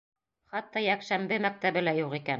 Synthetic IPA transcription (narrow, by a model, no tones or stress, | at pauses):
χɑt̪ːɑjækʃæmbɘmæk̚t̪æβɘ̆læjuʁikæn